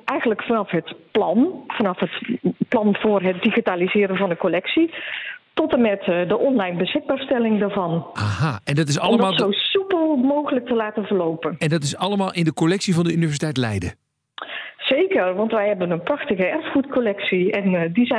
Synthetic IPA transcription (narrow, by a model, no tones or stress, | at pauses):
ʔɛjɣənləkfɑnɑfɦətplɑnfɑnɑfɦətplɑnv̥ʊːrɦət̚diɣitaːlizɪːɾəvɑndəkolɛksitɔtəmɛtdəʔɔnlɛjnbəsxɪɡ̚baːɹstɛlɪŋdəɹvɑnaɦaɛndɑtɪsɑləmmaːzowsypəlˠmowɣələk̚təlaːtənvərlowpənɛndɑt̬ɪsɑləmaːlˠʔɪndəkolɛksivɑndəynivɛs̬itɛjtlɛ̰jdə̰ | z̥ejkərʋɑntʋɛjɦɛbənənprɑxtəɣəɛrfχutkolɛksiɛndizɛ